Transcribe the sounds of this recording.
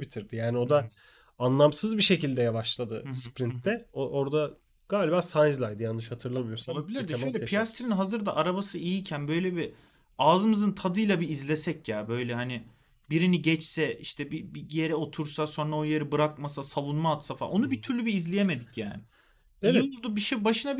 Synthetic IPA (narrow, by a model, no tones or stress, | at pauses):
bit̪ʰiɾd̪ijaːnio̞d̪a | anlˠamsɯzbiʃe̞cilʲd̪ɛjavaʃlˠad̪ɯspɾint̪d̪ɛoʔo̞ɾd̪a | ɡ̥aːlʲibaːsanzlˠajd̪ɯjanːɯʃhat̪ʰɯɾlˠabijoɾsalˠabilʲiɾd̪ɛʃøj̪ɛpʰijast̪ʰɾinɦazɯɾd̪aʔaɾabasɯijicʰænbø̞jlʲɛbi | aːzɯmɯzɯnt̪ʰad̪ɯjlˠabiːzlʲe̞sɛcjaːbø̞jlʲɛhanɪ | biɾiniɟɛt͡ʃsɛiʃt̪ʰɛbibije̞ɾɛo̞t̪ʰuɾsaso̞nɾaojeɾibɯɾakmasasalˠunmaːt̪safa̰ʔo̞nubit̪ʰyɾlʲybiːzlʲijeme̞d̪icja̰ːnɪ | eiulˠd̪ubiʃibaʃɯna